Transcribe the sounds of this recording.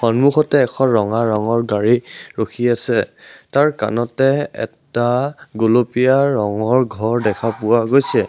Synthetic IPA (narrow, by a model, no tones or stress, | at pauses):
xɔnmuxɔtɛːkʰɔɹɔŋaɹɔŋɔɹɡaɹiɹokʰiasɛtaɹka̰nɔtɛɛ̰taɡolopijaɹɔŋɔɹɡʱɔɹdɛkʰapʊwaɡojsɛ